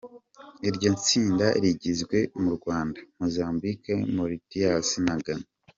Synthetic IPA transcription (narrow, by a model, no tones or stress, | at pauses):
iɾɟant͡siːndaɾiɟizɡwe̞muɾɡwaːndḁmozaːmbikemoɾitijasinaɡan